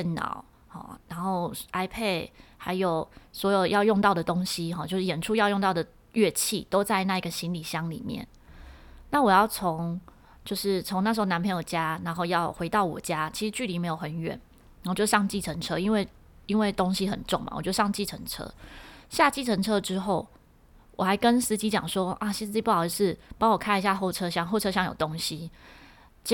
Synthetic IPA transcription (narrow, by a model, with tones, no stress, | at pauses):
ɛ˥˧˩nnɑ̰˨˩˦ʊ | hɔ̰˨˩ɻa˧˥nxo˥˩ʊʔa˥ɪpʰe˥˩xa˧˥ɪjo˨˩ʊswɔ˧˥jo˨˩ʊjʔɑ˥˧ʊjʊ˥˧ŋt̪ɑ˥˩ʊd̪ə˩t̪o˥ŋɕi˦˥xɑ˧˨˧t͡ɕjo˥˧ʊʂɻ̩˥˩jɛ˨˩nʈ͡ʂʰu˥˧jɑ˥˧ʊjʊ˥˧ŋt̪ɑ˥˩ʊd̪ə˨˩ | ɥɛ˥˧t͡ɕʰḭ˥˩t̪o˥ʊt͡sa˥˧ɪna˥˩i˧˥ɡə˨˩ɕi˥nli˨˩ɕjɑ˥ŋlḭ˨˩mjɛ̰˥˩n | na˥˩wɔ˨˩jɑ˥˩ʊt͡sʰo˧˦ŋ | t͡ɕjo˥˧ʊʂɻ̩˥˩t͡sʰʊ˧˥ŋna˥˩ʂ̩˧˥xo˧na˧˥npʰjnjɔ˨˩t͡ɕja˥na˧˥nxo˥˧ʊjɑ˥˩ʊxwe˧˥ɪt̪ɑ˥˩ʊwɔ̰˨˩t͡ɕja˦˥t͡ɕʰi˧˥ʂɻ̩˧˦t͡ɕy˥˩li˧˥me˧˥ɪjo˨˩ʊxə˧˦nɥɛ̰˨˩˦n˨˩ | wt͡ɕjo˥˧ʊʂɑ˥˧ŋt͡ɕi˥˩ʈ͡ʂʰə˧˥ŋʈ͡ʂʰɤ˥i˦˥nwe˥˩ɪ | i˥nwe˥˩ɪt̪o˥ŋɕi˥xə̰˨˩nʈ͡ʂʊ˥˩ŋma̰˨˩wɔ̰˨t͡ɕjo˥˧ʊʂɑ˥˧ŋt͡ɕi˥˩ʈ͡ʂʰə̰˧˥ŋʈ͡ʂʰɤ̰˦˥ɕja˥˧t͡ɕi˥˩ʈ͡ʂʰə˧˥ŋʈ͡ʂʰɤ˦ʈ͡ʂɻ̩˦xo˥˩ʊ | wɔ˨˩a˧˥ɪkə˦nsɹ̩˧˥t͡ɕi˧˥t͡ɕjɑ̰˨˩ŋʂwɔ˥a˥˩ɕi˥˧s̩˥t͡ɕi˥pu˥˩xʊo˥˧˩ʂɻ̩˥˩pɑ˥ŋwɔ˨˩kʰa˥ni˧˥ɕ̬ja˥˧xo˥˩ʊʈ͡ʂʰɤ˥ɕjɑ˥˧ŋxo˥˩ʊʈ͡ʂʰɤ˥ɕjɑ˥ŋjo˨˩t̪o˥ŋɕi˦ | t͡ɕ